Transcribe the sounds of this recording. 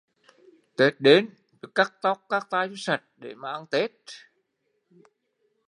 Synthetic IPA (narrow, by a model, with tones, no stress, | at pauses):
t̪e˦˥t̚ɗe˨˦n | ve˨˩kaː˦˥k̚t̪ɔ˦˥wk͡p̚kaː˦˥k̚t̪aː˧jzɔ˨˦sa˨˩t̚ɗḛ˧˩maː˨˩ʔa˧nt̪e˦˥t̚